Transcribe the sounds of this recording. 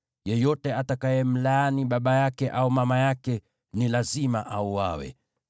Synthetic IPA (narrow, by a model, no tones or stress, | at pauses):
jɛjɔtɛatakajɛm̩laaniɓaɓajakɛʔaumamajakɛ | nilazimaʔauwa̰wɛ̰